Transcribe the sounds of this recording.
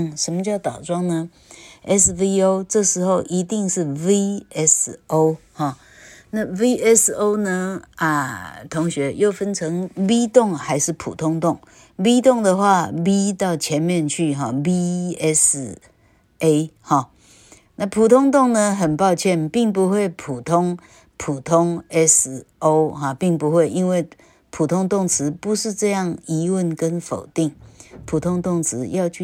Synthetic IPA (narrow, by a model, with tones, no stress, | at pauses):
ŋʂə˧˥nmə˧t͡ɕjɑ˥˩ʊt̪ɑ˨˩ʊʈ͡ʂwɑ˥ŋnə˧ | ʔɛ˥svi˥o˥ʊʈ͡ʂɤ˥˩ʂɻ̩˧˥xo˥˧ʊʔi˧˥t̪i˥˧ŋʂɻ̩˥˩wi˥ɛ˥so˥ʊhɔ˥˩ | na˥˩wi˦ɛ˥so˥ʊnə˧ə̰˧t̪ʰʊ˧˥ŋɕɥɛ˧˥jo˥˩ʊfə˥nʈ͡ʂʰɤ˧˥ŋwi˥t̪ʊ˥˩ŋxa˧˥ɪʂɻ̩˥˩pʰṵ˨˩t̪ʰʊ˥ŋt̪ʊ˥˩ŋ | wi˥t̪ʊ˥˩ŋd̪ə˨xwa˥˧wi˥t̪ɑ˥˩ʊt͡ɕʰjɛ˧˥nmjɛ˥˧nt͡ɕʰy˥˩ɦɔ˥˩bi˦˥ɛ˦s | e˥hɔ˥˨ | na˥˧˩pʰu˨˩t̪ʰʊ˥ŋt̪ʊ˥˩ŋnə˨ɦə˨˩npɑ˥˧ʊt͡ɕʰjɛ˥˨npi˥˩ŋpu˧˦˥xwe˥˩ɪpʰu˨˩t̪ʰʊ˥ŋ | pʰu˨˩t̪ʰʊ˥ŋɛ˦˥so˦ʊhɔ˨˩pi˥˩ŋpu˧˦xwe˥˩ɪʔi˦˥nwe˥˩ɪ | pʰu˨˩t̪ʰʊ˥ŋt̪ʊ˥˩ŋt͡s̩ʰ˧˦pu˧˦ʂɻ̩˥˧ʈ͡ʂɤ˥˧jɑ˥˨ŋi˧˥wə˥˨nkə˦nfo˨˩ʊt̪i˥˩ŋpʰu˨˩t̪ʰʊ˥ŋt̪ʊ˥˩ŋt͡s̩ʰ˧˦jɑ˥˧ʊt͡ɕʰ